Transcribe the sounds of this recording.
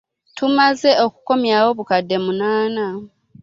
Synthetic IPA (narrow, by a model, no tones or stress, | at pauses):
tʰumaze̞o̞kuko̞mjaːwo̞βukadːe̞munaːna